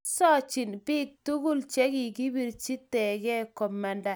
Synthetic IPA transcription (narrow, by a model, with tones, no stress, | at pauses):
sɔ˦t͡ʃi˨nbɪ˦k̚tu˦ɡu˦lt͡ʃɛ˦ɡɪ˨ɡi˦bi˨ɾt͡ʃi˦tɛ˨ɡɛ˦kɔ˨ma˨nda˨